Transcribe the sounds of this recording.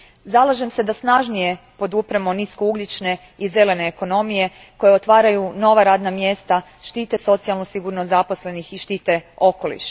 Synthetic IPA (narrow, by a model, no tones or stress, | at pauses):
zalˠaʒe̞mse̞d̪asnaʒnije̞ | po̞d̪upɾemoniskouɡlit͡ʃne̞ | ize̞le̞ne̞ːko̞no̞mije̞ | ko̞jeo̞t̪ʋaːɾajuno̞ʋaɾaːd̪namjest̪a | ʃt̪iːt̪e̞so̞t̪sialˠnosiɡuɾnozapo̞sle̞nixiʃt̪iːt̪e̞o̞ko̞lḭʃ